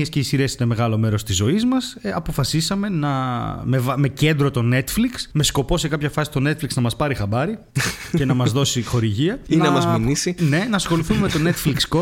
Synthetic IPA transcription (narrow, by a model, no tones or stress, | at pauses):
esce̞isiɾesineme̞ɣɐlo̞me̞ɾo̞st̪izːo̞izmɐsɐpo̞fɐsisɐme̞nɐmevɐme̞ce̞nd̪ɾo̞t̪o̞ne̞t̪fliksme̞sko̞po̞se̞kɐpçɐfɐsi̥st̪o̞ne̞t̪fliksnɐmɐspɐɾixɐbɐɾi | ce̞nɐmɐzðo̞sixo̞ɾiʝiɐinɐmɐzminisine̞nɐsi̥xo̞liθummet̪o̞ne̞t̪fliksko